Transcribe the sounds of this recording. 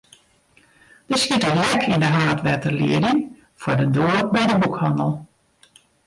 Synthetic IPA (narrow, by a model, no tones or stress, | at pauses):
d̥əskitəlɛkʰindəɦaːtʋɛtərlḭədɪŋ | fʊdədoːərbɛjdəbukhɔnəlˠ